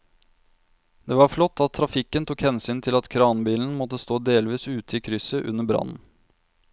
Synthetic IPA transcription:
d̪̥eːʋɑɾflɔt̪ʰːɑt̪ʰːɾɑfɪkːənt̪ʰukhɛnsyːnt̪ʰɪlɑt̪kʰɾɑːnbiːln̩mɔt̪ːəst̪oːd̪eːlʋiːsʉːt̪ʰəikʰɾʏsəʔʉ̰nːəbɾɑ̰nn̩

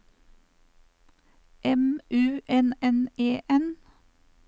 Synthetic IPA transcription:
ʔɛmʔʉːʔɛnɛneːʔɛn

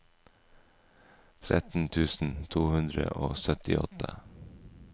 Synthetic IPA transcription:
t̪ʰɾɛt̪n̩t̪ʰʉːsn̩t̪ʰuːhʉnd̪ɾəʔoːsœt̪ɪʔɔt̪ʰə

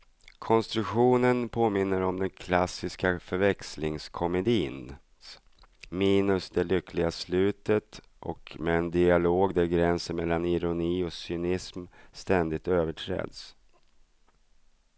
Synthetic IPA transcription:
kʰɔnst̪ɾɵkɧuːnənpʰoːmɪnːəɾɔmd̪ɛnkʰlasːɪskafœɾvɛkslɪŋskʰɔmɛd̪iːn | miːnɵsd̪ɛlʏkʰlɪɡaslʉ̟ːt̪ət̪ | ʔɔ̰kmɛːnd̪ɪaloːɡd̪æɾɡɾɛnsənmɛlːanɪɾʊniːɔsʏnɪsmst̪ɛnd̪ɪt̪øːvəʈʰɾɛ̰ːd̪s

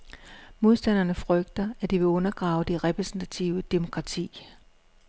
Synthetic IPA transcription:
mo̝ð̞ˠsd̥æn̰ɐnəfʁœɡ̥d̥ɐæd̥iʋe̝ɔ̽nɐɡ̥ʁɑ̈ːʊd̥eʁɛpʰʁɛsn̩t͡sʰæt͡sʰiʊəd̥e̝mo̝kʰʁɑ̈t͡sʰḭː

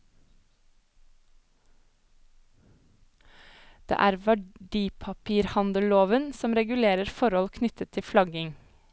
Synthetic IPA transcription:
d̪̥ḛːʔæːɾʋæɖiːpʰɑpʰiːɾhɑnd̪əloːʋənsɔmɾɛɡʉleːɾəɾfɔɾɔlkʰnʏt̪ʰət̪ʰːɪflɑɡɪŋ

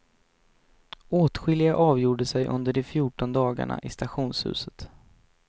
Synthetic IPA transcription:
oːt̪ɧɪlɪɡaʔɑːvjuːɖəsɛjʔɵ̰nd̪əɖɛfjuːʈɔnd̪ɑːɡa̰ɳa̰ʔɪst̪aɧuːnshʉ̟̰ːsət̪

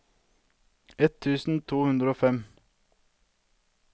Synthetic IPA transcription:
ɛt̪ʰʉːsn̩t̪ʰuːhʉnd̪ɾəoːfɛm

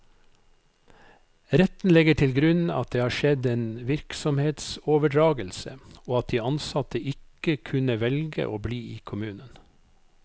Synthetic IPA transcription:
ɾɛt̪n̩lɛɡəʈʰɪlɡɾʉnɑ̰t̪̚d̪eːhɑːʃɛd̪eːnʋɪɾksɔmheːt̪soːʋəɖɾɑːɡəlsə̰oːɑt̪̚d̪iːɑnsɑt̪əʔɪkəkʰʉnəʋɛlɡə̰ʔoːbliːiːkʰʊmʉːnən

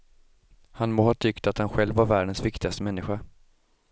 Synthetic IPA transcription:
hanmoːhɑːt̪ʰʏkt̪at̪hanɧɛlvːaɾvæːɖənsvɪkt̪ɪɡast̪əmɛnːɪɧa

